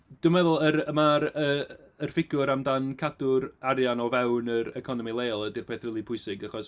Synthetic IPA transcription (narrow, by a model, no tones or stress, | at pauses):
d̥ʊmɛðʊlˠəɾəmaɾəː | rfɪɡʊɾamdankʰadʊɾaɾjanɔvɛwnəɾəkʰɔnɔmilˠeːlˠədirpʰeːθrɪlˠipʰʊɨsɪɡaχɔs